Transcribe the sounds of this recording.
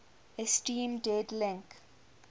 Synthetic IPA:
esʈĩːmɖeɖlɛ̃ŋk

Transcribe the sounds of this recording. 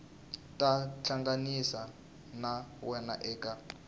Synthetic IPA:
tʼat͡ɬʰaŋɡanisa | nawɛna̰ʔɛːka

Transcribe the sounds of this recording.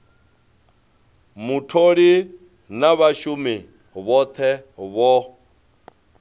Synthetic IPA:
mutʰoɺi | naβaʃumi | βɔt̪ʰɛβɔ

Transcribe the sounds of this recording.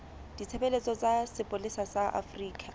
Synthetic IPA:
d̥it͡sʰebelet͡sʼɔt͡sʼasɪpʼolisasaʔa̰friːkʰʼa

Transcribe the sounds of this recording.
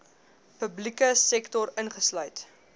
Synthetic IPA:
pəblikəsɛktɔɾənχəslœɥt

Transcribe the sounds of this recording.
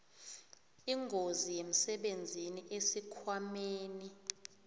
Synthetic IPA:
iŋɡʱozijem̩sɛɓend͡zʱiniʔesikʰwameːni

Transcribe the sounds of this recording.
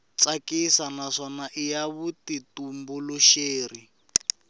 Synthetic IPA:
t͡sakisanaʂɔnaʔijaβutitumbuluʃeːri

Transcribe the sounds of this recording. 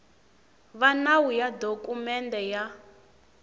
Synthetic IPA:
βanawujadokʼumɛndɛja

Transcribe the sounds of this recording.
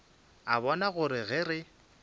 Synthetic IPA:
aβɔnaɣʊɾɪɣɪɾɪ

